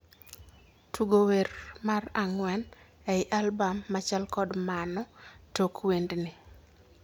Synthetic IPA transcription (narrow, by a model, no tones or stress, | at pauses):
tʰuɡowermaraŋwɛn | ɛɪʔalbamːat͡ʃalkɔdmanɔtokwendnɪ